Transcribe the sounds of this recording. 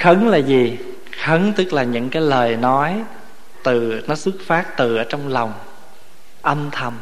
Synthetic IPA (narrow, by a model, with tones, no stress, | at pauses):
xə˨˦ŋlaː˨˩zi˨˩ | xə˨˦ŋt̪ɨ˦˥k̚laː˨˩ɲɨ̰˧˥ŋkaː˨˦jləː˨˩jnɔ˨˦j | t̪ɨ˨˩nɔ˨˦sɨ˦˥k̚faː˦˥t̚t̪ɨ˨˩ʔəː˧˩t͡ɕɔ˧wŋ͡mla˨˩wŋ͡m | ʔə˧mt̪ʰə˨˩m